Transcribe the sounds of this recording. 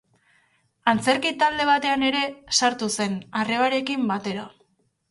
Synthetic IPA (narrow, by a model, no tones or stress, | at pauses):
ant͡se̞ɾkit̪ald̪e̞β̞at̪e̞ane̞ɾe̞saɾt̪use̞nare̞βaɾe̞kimbat̪e̞ɾa